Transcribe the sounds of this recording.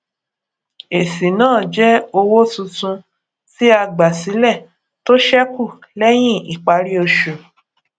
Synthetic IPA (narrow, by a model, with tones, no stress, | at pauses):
e˨si˨nãː˦˨d͡ʒɛ˦o˧wo˦tũ˧tũ˧ | si˦a˧ɡ͡ba˨si˨˦lɛ˦˨ | to˦ʃɛ˦ku˦˨lɛ˦j̃ĩ˦˨i˨k͡pa˧˦ɾi˦o˧ʃu˨